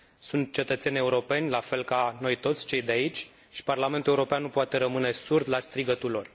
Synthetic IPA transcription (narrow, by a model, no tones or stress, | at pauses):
sunt̪̚t͡ʃe̞t̪ət̪se̞nʲe̞uɾo̞pe̞nʲlafe̞lkano̞jt̪o̞t̪sʲt͡ʃe̞jd̪eait͡ʃʲ | ʃi̥parlame̞nt̪ule̞uɾo̞peanːupoat̪e̞ɾəmɨne̞surd̪last̪ɾiɡət̪ulo̞r